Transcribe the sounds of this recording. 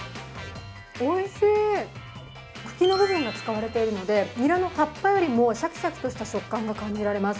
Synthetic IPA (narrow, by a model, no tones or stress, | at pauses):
oːise | kɯ̟̥kʲino̞bɯ̟βɯ̟̃ŋɡat͡sɨ̥kaβaɾe̞t̪e̞iɾɯ̟no̞d̪e̞mʲiɾano̞t̪apːajo̞ɾʲimo̞ɕakʲi̥ɕakʲi̥t̪o̞ɕi̥t̪aɕo̞kːãŋɡakãɲ̟d͡ʑiɾaɾe̞masɨ̥